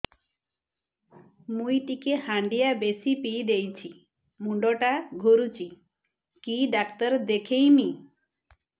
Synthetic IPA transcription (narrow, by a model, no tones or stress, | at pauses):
mujʈikehaɳɖijabesipiːd̪ejt͡ʃʰi | muɳɖɔʈaɡʱuɾut͡ʃʰi | kiɖakt̪ɔɾd̪ekʰejmi